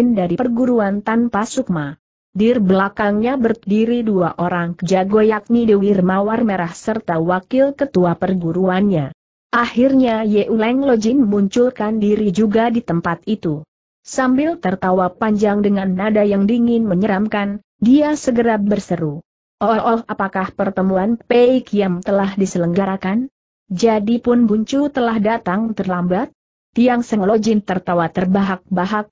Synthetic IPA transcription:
ndaɾipərɡuɾuant̪anpasuk̚ma | dɪrbəlakaŋɲabərdiɾiduaʔoɾaŋkəd͡ʒaɡojak̚nidiwirmawarməɾahsərt̪awakɪlkət̪uapərɡuɾuanɲa | ʔahirɲajɛʔulɛŋlod͡ʒinməmuɲt͡ʃulkandiɾid͡ʒuɡadit̪əmpat̪̚it̪u | sambɪlt̪ərt̪awapaɲd͡ʒaŋdəŋanːadajaŋdiŋɪnməɲəɾamkan | diasəɡəɾap̚bərsəɾu | ʔɔʔɔhapakahpərt̪əmuanpɛikjaŋt̪əlahdisələŋɡaɾakan | d͡ʒadipʊnbuɲt͡ʃut̪əlahdat̪aŋt̪ərlambat̪̚ | jaŋsəŋlɔd͡ʒɪnt̪ərt̪awat̪ərbaɦak̚baɦak̚

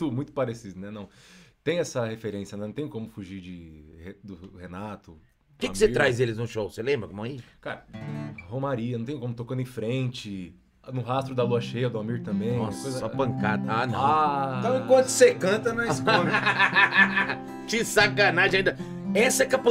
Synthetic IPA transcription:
t̪ʊmũj̃t̪ʊ̥paɾesid̪ʊnɛnɐ̃w̃t̪ẽj̃ɛsɐhefeɾẽsjɐnɛnɐ̃t̪ẽj̃kõmʊfuʒiɾd͡ʒɪhed̪ʊhenat̪ʊ | kɪɪseit̪ɾajzd̪elɪznʊʃowselẽbɾɐkõm̃ɐaikaɾɐhõmaɾiɐnɐ̃t̪ẽj̃kõmʊt̪okɐ̃nd̪ẽfɾẽt͡ʃɪ | nʊɦast̪ɾʊd̪ɐluɐʃejɐd̪ʊamiɾt̪ɐ̃mbẽj̃ɔskojzɐapɐ̃ŋka̰d̪ɐanɐ̰̃ãt̪ɐ̃w̃ẽkwɐ̃t̪ʊ̥sekɐ̃t̪ɐnɐsn | t͡ʃɪsakanaʒẽɐĩd̪ɐ | ɛsɐɛkapɐ

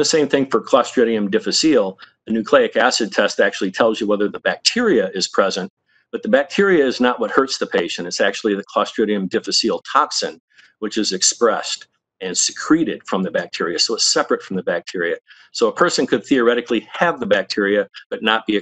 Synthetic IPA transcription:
ðɨsẽɪ̃mθɪ̃ŋfə˞kʰl̥ɑstɹ̥ɪɾiɨ̃mdɪfɨsilˠ | ɨnʉkʰl̥eɪɨkæsɨd̚tʰɛstæk̚t͡ʃʉl̩ˠitʰɛlˠzjɨwɛðə˞ðəbæk̚tʰɪɹiɨɪz̥pʰɹ̥ɛzɨ̃n | b̥ʌt̪̚ðəbæk̚tʰɪɹiɨːznəʔ̚wʌt̚hɜ˞tsðəpʰeɪʃɨ̃ñɨtsæk̚t͡ʃʉl̩ˠiðɨkʰl̥ɑstɹ̥ɪɾiɨ̃mdɪfɨsilˠtʰɑksɨ̰̃n | wɨt͡ʃɨzɨkspɹɛst | ɨ̃nsɨ̥kʰɹ̥iɾɨd̥fɹʌ̃mðɨbæk̚tʰɪɹiɨsoʊətsɛpɹɨtfɹʌ̃mðɨbæk̚tʰɪɹiɨ | soʊəpʰɜ˞sɨ̃nkʰɨd̪̚θiə˞ɛɾɨkliɨvðəbæk̚tʰɪɹiɨb̥ʌtⁿnət̚b̥iɨ

